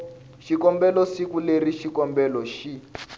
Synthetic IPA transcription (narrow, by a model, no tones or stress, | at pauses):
ʃikɔmbɛlɔsikuleriʃikɔmbɛlɔʃi